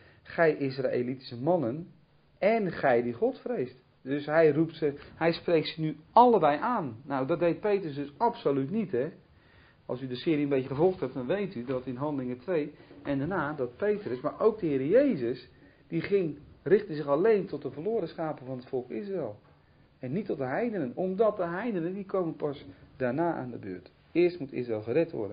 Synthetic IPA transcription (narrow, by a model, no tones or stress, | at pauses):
χɛjʔɪs̬ra̰ḛliti̥səmɑnən | ɛnχɛjdiχɔtfrejst | dɵsɦɛjruptsəhɛjsprejk̚sənyɑlˠəbɛjʔaːnːawdɔt̚dejt̚pejtrəsdɵsɑpsolytnitɦɛ | ɑ̰lˠsydəsɪːɾiənbejcəχəvɔlˠχtɦɛp̚dɔnʋejtydɔtɪnɦɑndəlɪŋətʋejɛndanaːdɔt̚pejtrəsmaːɹʔowk̚dəɦɪːɾəjejzəs | d̥iχɪŋrɪχtəzɪχɑlejntɔt̚dəvərlʊːɾəsχaːpəvɑnɦətfɔlˠkɪs̬raɛlˠ | ɛnːitːɔt̚dəɦɛjdənənɔmdɔt̚dəɦɛjdənəndikowmənpɑsdaːɹnaːʔa̰ːndəbø̰ːt | ɪːəɹstmutɪ̰sraɛlˠχərɛtʋɔ̰ɹdən